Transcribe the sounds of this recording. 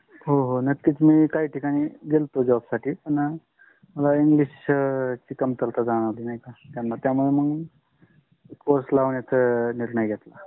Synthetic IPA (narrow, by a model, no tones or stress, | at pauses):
ɦoɦonəkkiːt͡smiːkaɦiːʈʰikaɽ̃iɡelt̪od͡zəʋabsaʈʰiːpəɳ | məlaiŋɡliɕt͡ɕiːkəmt̪əlt̪ad͡zaɽ̃alinajkat̪janːat̪jamueməɡ | ekːoɾslaʋnet̪ʰəniɾɳəjɡʱet̪la